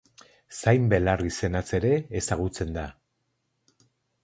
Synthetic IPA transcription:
sajmbe̞larise̞nat͡se̞ɾe̞ːsaɣ̞ut͡se̞nd̪a

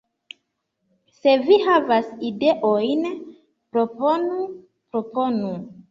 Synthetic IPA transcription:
se̞vihavaside̞ʔojn | pɾo̞po̞nu | pɾo̞po̞nu

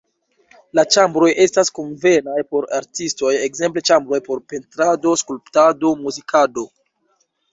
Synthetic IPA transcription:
lat͡ʃambɾo̞jʔe̞staskonve̞najpo̞ɾa̰ɾtisto̞jekze̞mple̞t͡ʃambɾo̞jpo̞ɾpe̞ntɾado̞skulptado̞muzikʰado̞

